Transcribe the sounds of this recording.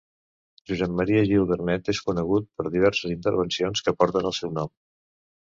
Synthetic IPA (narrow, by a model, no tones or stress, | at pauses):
ʒuzɛmːəɾiəʒilˠβəɾnɛt̪eskunəɣ̞ut̪̚pəɾðiβ̞ɛɾsəzint̪əɾβ̞ənsionskəpɔɾt̪ənəlˠsɛwnɔm